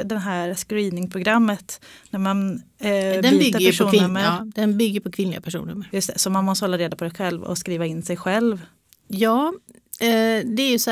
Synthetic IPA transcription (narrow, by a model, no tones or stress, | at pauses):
d̪ɛnɦæːɾskɾiːnɪŋpʰɾʊɡɾamːət̪næɾman | d̪ɛiːb̪aɾʂuːnmːəd̪ɛnbʏɡːəɾpʰɔkʰvɪnlɪɡapʰæʂṵːnɵ̰mːəɾjɵst̪ɛsɔmːanmɔst̪əhɔlːaɾeːd̪apʰɔd̪ɛɧɛlvɔ̰skɾiːvaɪnːsɛjɧɛlv | jɑː | d̪ɛæɾjɵs